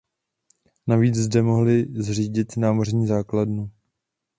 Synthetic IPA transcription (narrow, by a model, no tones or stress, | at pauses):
naviːt͡szdɛmo̞ɦlɪzr̝iːɟɪt̪naːmor̝ɲiːzaːkladnu